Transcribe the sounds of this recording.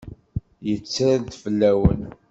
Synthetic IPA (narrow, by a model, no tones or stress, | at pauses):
jət͡sːɾaðt̪flːæwə̰n